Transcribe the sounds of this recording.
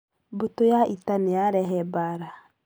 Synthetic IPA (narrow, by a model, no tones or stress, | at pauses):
botojaʔitaneaɾɛɦɛbaɾa